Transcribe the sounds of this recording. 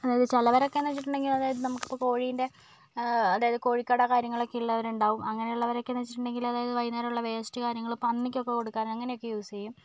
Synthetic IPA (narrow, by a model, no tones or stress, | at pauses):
ɐðaːjɐðɨt͡ɕɐlɐʋɐɾo̞kːenːɐt͡ɕːiʈːuɳɖe̞ŋɡilɐðaːjɐðɨnɐmukːi̥pːoːko̞ːɻijinde̞ | ɐðaːjɐðɨko̞ːɻikʲːaːɽɐkaːɾjɐŋːɐɭo̞kːeiɭːɐɐʋɐɾuɳɖaːʋumɐŋːɐneuɭːɐʋɐɾokːenːɐt͡ɕːiʈːuɳɖe̞ŋɡilɐðaːjɐðɨʋɐjnːaːɾuɭːɐʋeːstikaːɾjɐŋːɐɭpɐnːikʲːo̞kːe̞ko̞ɽukːaːnɐŋːɐne̞jo̞kːe̞juːsiɐjum